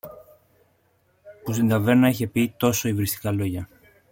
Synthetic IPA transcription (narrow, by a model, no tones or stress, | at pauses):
pusind̪ɐveɾnɐiçe̞pit̪o̞so̞ivɾist̪i̥kɐlo̞ʝɐ